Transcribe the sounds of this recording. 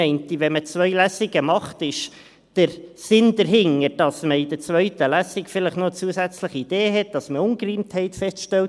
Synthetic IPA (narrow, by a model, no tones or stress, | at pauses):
ɛɪnt̪iʋɛmət͡sʋœʏlæsiɡəmɑχtɪʃ | d̥əɾsɪnd̥̪əɾɦɪŋːəɾd̥ɑsməid̪əɾt͡sʋœʏtəlæsikfɪləχnoət͡suəsæt͡sləχiid̥eːɦɛt̚d̥ɑsməʊŋkriːmthɛɪtfɛstʃtɛlt